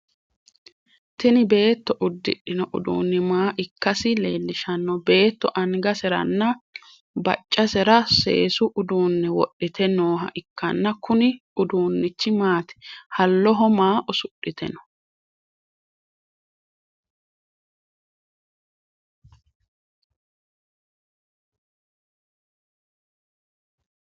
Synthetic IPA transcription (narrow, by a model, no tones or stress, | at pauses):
t̪ɪnɪbe̞ːt̪ːɔʔʊd̪ːɪ̰ɗːɪnɔʔʊ̰d̪ṵːnːɪmaːʔɪkːɐsɪleːlːɪʃɐnːɔbe̞ːt̪ːɔʔɐŋɡɐsɛɾɐ̰nːɐ | bɐ̰t͡ʃʼːɐsɛɾɐsḛːsʊʔʊd̪uːnːɛwɔ̰ɗːɪt̪ʰɛnoːɦɐ̰ʔɪkːɐnːɐkʊnɪ | ʊd̪uːnːɪt͡ʃːɪmaːt̪ɪ̥hɐlːɔɦɔmaːʔɔsʊɗːɪt̪ʰɛ̰nɔ̥